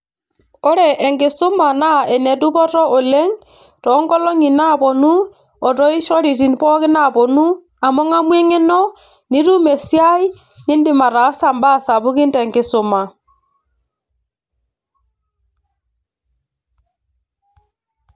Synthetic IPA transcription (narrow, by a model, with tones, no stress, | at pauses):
o˦ɾɛ˨ʔːŋɡe˨su˦ma˨na˦e˨ne˨du˦βɔ˦ɾɔ˦o˨le˦ŋ | ɾɔ˨˦ŋɡɔ˦lo˦ŋi˨na˦βo˨nu˦ | o˨ɾo˦i˦ʃo˦ɾi˨ɾi˨n˦βɔ˦ɣe˦na˦βo˨nu˦ | a˨mo˦ŋa˦mwe˦ŋe˦no˦ | ni˦ɾu˦me˨sjai˦ | ni˦ndi˨ma˨ɾa˨˦sa˨mba˦sa˨βu˦ɣi˦nte˨ŋɡe˨so˨ma˨